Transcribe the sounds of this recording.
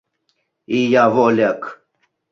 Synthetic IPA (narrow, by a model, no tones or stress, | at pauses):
iːjaːvolak